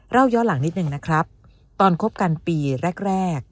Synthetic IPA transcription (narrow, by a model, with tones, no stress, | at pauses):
ɾa˥˩wjɔː˦˥la˩˦ŋni˦˥t̪̚nɯ˨˩ŋna˦˥kʰɾa˦˥p̚ | t̪ɔː˧nkʰo˦˥p̚ka˧npiː˧ɾɛ˦˥˩k̚ɾɛː˥˩k̚